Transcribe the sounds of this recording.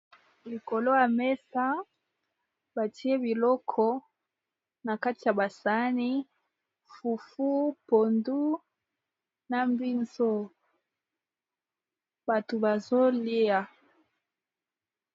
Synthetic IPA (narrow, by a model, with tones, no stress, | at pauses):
li˨ko˨lo˦ja˨mɛ˦sa˦ | ba˨ti˦e˦bi˨lɔ˦kʰɔ˦ | na˨ka˦ti˨ja˨ba˨sa˦ni˦ | fu˨fu˦po˨ndu˦ | na˨mbi˦nzo˦ | ba˨to˨ba˨zo˦li˦a˨